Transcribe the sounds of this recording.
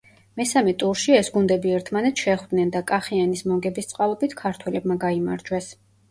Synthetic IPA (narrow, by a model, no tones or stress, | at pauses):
mɛsamɛt̪ʼuɾʃiɛsɡund̪ɛbiɛɾt̪ʰmanɛt̪sʃɛχwd̪̥nɛnd̪akʼaχianismɔɡɛbist̪sʼqʼavɛbit̪ʰkʰaɾt̪ʰwɛlɛbmaɡaima̰ɾd͡ʒwɛs